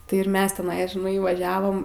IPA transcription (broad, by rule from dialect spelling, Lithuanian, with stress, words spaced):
tɐɪ ɪr ˈmʲɛs tʲɛˈnɐɪ ʒʲɪˈnɐɪ ʋɐˈʒʲæːʋoːm